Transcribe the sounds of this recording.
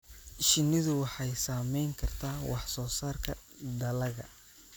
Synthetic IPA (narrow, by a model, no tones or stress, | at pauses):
ʃɪnɪðʊwɑħɑjsaːmɛjŋkʰɐrt̪ʰaːwʔɑħsɔːsaːrkʰɐ | d̪ɐlɐɣɐ̰